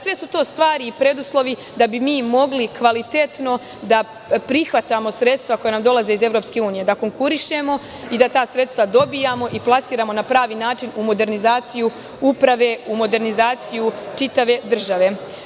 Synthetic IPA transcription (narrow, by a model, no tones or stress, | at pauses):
sʋe̞sut̪o̞ːst̪ʋaːɾiːpɾe̞d̪uslˠo̞ʋi | d̪abimiːmo̞ɡlikʋalit̪e̞t̪no̞ | d̪a | pɾixʋat̪amo̞sɾe̞t̪st̪ʋako̞janamd̪o̞lˠaze̞ize̞vɾo̞ːpske̞uːnije̞d̪ako̞ŋkuɾiʃe̞mo̞ | id̪at̪aːsɾe̞t̪st̪ʋad̪o̞bijamo̞ʔiplˠasiːɾaːmo̞napɾaːʋiːnaːt͡ʃinumo̞d̪e̞ɾnizaːt̪siju | upɾaʋe̞umo̞d̪e̞ɾnizaːt̪sijut͡ʃit̪aʋe̞d̪r̩ʒaʋe̞